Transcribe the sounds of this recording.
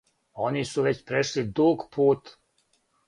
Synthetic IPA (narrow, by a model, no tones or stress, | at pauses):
o̞nisuʋet͡ɕpɾeʃlid̪uːɡpʰuːt̪